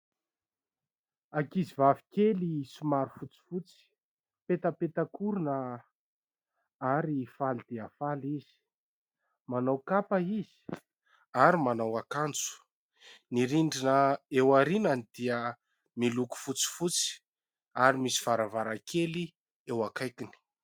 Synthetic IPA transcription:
akizivavi̥kelisumaɾufut͡si̥fut͡si̥ | pet̪əpet̪akʰuɾunə | aɾifald̪̥eafaliz̥i̥ | manawkapaiz̥i̥ | aɾimanawakant͡su̥ | niɾiɳɖ͡ʐinəewaɾinanid̪̥iə | miluku̥fut͡si̥fut͡si̥ | aɾimisi̥v̥aɾavaɾakʰeli | ewakajkini̥

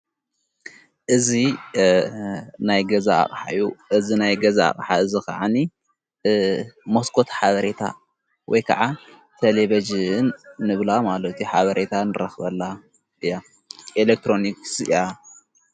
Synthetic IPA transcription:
ʔɨzi | najɡɐzaa̰χʼħa̰juʔɨzinajɡɐzaa̰χʼħaɨzika̰ʕani | moskʰo̞t̪ħaβɐɾet̪ʰa̰ | wɔ̰jkʰɐʕa | t̪ʰɐleβɐd͡ʒinːɨβlamalɐt̪ʰuħaβɐɾʔe̞t̪ʰanɨɾɐxβɐlːa | ʔɨja | ʔelek̚t̪ɾo̞niksja

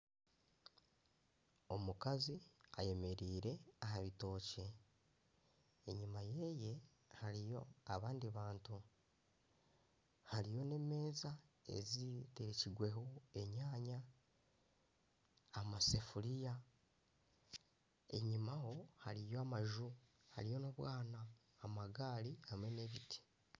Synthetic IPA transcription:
o̞mukazia̰je̞me̞ɾiːɾe̞aɦaβito̞ːce̞ | ɲimaje̞ːje̞ | haɾijo̞aβaːndiβaːntu | haɾijo̞ne̞me̞ːzae̞̰zite̞ɾeciɡwe̞ɦoe̞ɲaːɲa | masefulija | e̞̰ɲimaho̞ha̰ɾijo̞amaʒu | ha̰ɾijo̞noβwaːnaː | maɡaːɾihamwe̞ne̞βiti̥

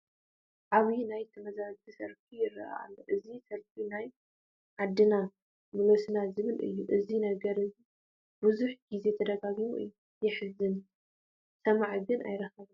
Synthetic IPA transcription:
ʕaβinajt̪ʰɐmɐzazt̪ʰisɐɾkʰijɪrːɐ̰a̰lːoʔɨzisɐɾkʰinaj | ʕad̪ɨna | mɨlosnazɨβɨlʔɨ̰jːuʔɨzinɐɡɐɾɨzi | buzuħɡize̞t̪ʰɐd̪ɐɡaɡimuʔɨ̰jːu | jɪħɨzɨn | sɐmaʕɡɨna̰jɾɐxɐβɨ

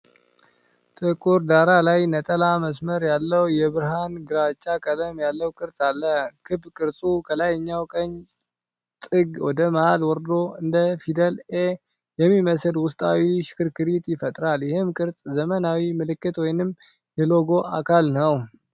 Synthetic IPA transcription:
t̪ʼɨkʼːuɾd̪aɾalajnət̪ʼəlaməsməɾjalːəwjɛβɨɾɦanɡɨɾat͡ʃʼːakʼələmjalːəwkʼɨɾt͡sʼalːəkʰɨbkʼɨɾt͡sʼukʰəlajɲːawkʼəɲ | t̪ʼɨɡwɔd̪əməhalwɔɾd̪o̞ɨnd̪əfid̪əle | jɛmːiməsɨlwʊst̪ʼawiʃɪ̥kʰɨɾkʰɨɾit̪jɪfət̪ʼɾaljɛhɨmkʼɨɾt͡sʼzəmənawimɨlɨkːɨt̪wɔjnɨm | jɛloɡo̞ʔa̰kʰalnəw

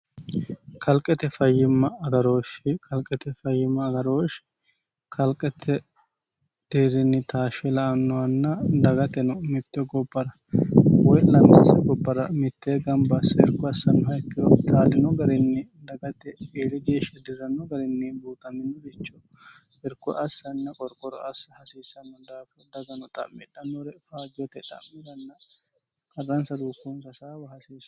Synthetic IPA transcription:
kʰɐlkʼɛt̪ɛfɐjːɪmːɐːɡɐɾo̞ːʃɪkʰʼɐlkʼːɛt̪ɛfɐjːɪmːɐːɡɐɾo̞ːʃ | kʰɐlkʼːɛt̪ʰːɛ | d̪̥eːɾɪnːɪt̪ʰaːʃɛlɐʔɐnːɔwɐnːɐd̪ɐɡɐt̪ɛnɔmɪt̪ːɛɡɔbːɐɾɐ | wɔjlɐmsɐsɛɡɔbːɐɾɐmɪt̪ːeɡɐmbɐsɐɛɾkːɔɐsːɐnːɔhɐjkːɪjɔt̪ʼaːlɪnɔɡɐɾɪnːɪ | d̪ɐɡɐt̪ːɛeːlɪd͡ʒeːʃɛd̪ɪɾɐnɔɡɐɾɪnːibuːt̪ʼɐmɪnɔɾɪt͡ʃːɔ | ɛɾkːɔʔɐsːɐnːɐkʼɔɾkʼɔɾɔɐsɐhɐsiːsːɐnːɔd̪aːfɐd̪ɐɡɐnɔt̪ʼɐ̰mːɛᶑɐnːɔɾɛfaːd͡ʒjɔt̪ɛᶑ̪ʼɐ̰mːɛd̪ɐnːɐ | kɐrːɐnsɐd̪uːkːunk̪ɐsaːbɐhɐsiːs

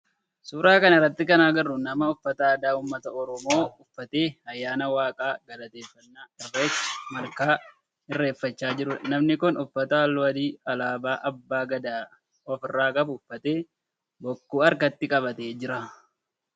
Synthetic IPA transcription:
suːɾaːkɐnɪrːɐt̪ːɪkɐnaːɡɐrːʊnɐmɐʊfːɐt̪ɐːd̪aːuːmːɐt̪ɐɔɾɔmo̞ːʊfːɐt̪e̞ːɐjːaːnɐwaːkʼaːɡɐlɐt̪e̞ːfːɐnːaːᶑɐbeːt͡ʃːmɐɾkaː | ɪrːe̞ːfːɐt͡ʃːaːd͡ʒɪɾʊnɐmnɪkʊnʊfːɐt̪ɐɐlːɔɐd̪iːɐlaːbaːʔɐbːaːɡɐd̪aː | ɔfɪrːaːkɐbʊːfːɐt̪eː | bɔkːuːɐɾkɐt̪ːɪkʼɐbɐt̪eːd͡ʒɪɾɐ

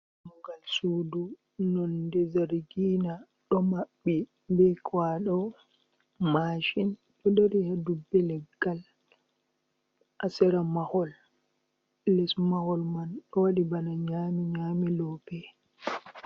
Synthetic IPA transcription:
muɡalsudu | nɔndɛzaɾɡiːna | ɗɔmaɓːi | bɛkwaɗɔ | maʃin | ɗɔdɛɾihadubːɛlɛɡːal | ʔasɛɾamahɔl | ɛsmahɔlmanɗɔwaɗibanaɲaːmiɲaːmilɔpɛ

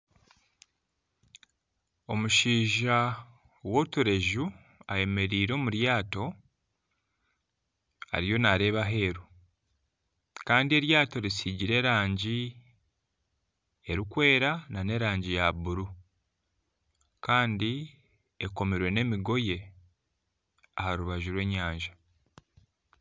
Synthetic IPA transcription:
o̞muʃiːʒa | wo̞tuɾe̞ʒu | aje̞me̞ɾiːɾo̞ːmuɾjaːto̞ | ha̰ɾijo̞naɾe̞ːβaɦe̞ːɾu | kaːndie̞ɾjaːto̞ɾisiɟiɾe̞ɾaːɲɟi | e̞ɾikwe̞ːɾanane̞ɾaːɲɟijaβuɾu | kaːndi | eko̞miɾwe̞ne̞miɡo̞je̞ | ahaɾuβaʒuɾwe̞ːɲaːɲʒa

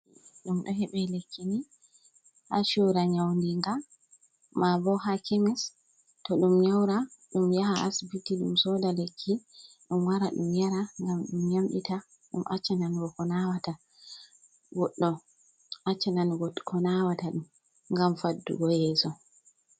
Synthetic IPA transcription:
ɗumɗɔɦɛɓɛlekʰːini | ha̰ʃuɾaɲawndiŋɡa | mabɔɦakʰimɛs | tɔɗumɲawɾaɗumjaɦaʔa̰sbitiɗṵmsɔdalekʰːi | ɗumwaɾaɗṵmjaɾaŋɡamɗumɲamɗḭta | ɗṵmʔa̰t͡ʃːɛnanɡɔkɔnawata | ɡɔɗːɔ | ʔat͡ʃːɛnanɡɔkʰɔnawataɗum | ŋɡamfadːṵɡɔjɛːsɔ

